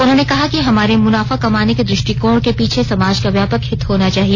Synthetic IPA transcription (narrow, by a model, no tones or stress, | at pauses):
ʊnɦõːnekɐɦakiɦɐmaːɾemʊnaːfakɐmaːneked̪ɾɪʃʈikõːɽkepiːt͡ʃʰesɐmaːd͡ʒkaʋjaːpəkhɪt̪ʰɦoːnat͡ʃaːɦie